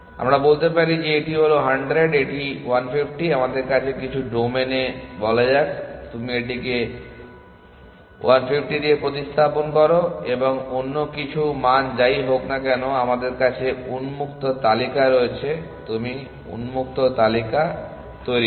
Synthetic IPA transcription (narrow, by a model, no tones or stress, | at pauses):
a̰mɾabolt̪epaɾid͡ʑeeʈiɦoloɦaɳɖɾeɖeʈiwanpʰipʰʈiamad̪eɾkat͡ɕʰekit͡ɕʰuɖomenebɔlad͡ʑakt̪umieʈike | wanpʰip̚ʰʈid̪iepɾot̪ist̪ʰaponkɔɾoeboŋonːokit͡ɕʰumand͡ʑaijɦoknakɛnoamad̪eɾkat͡ɕʰeunmukt̪ot̪alikaɾoet͡ɕʰet̪umi | ṵnmuk̚t̪ot̪alika | t̪ojɾi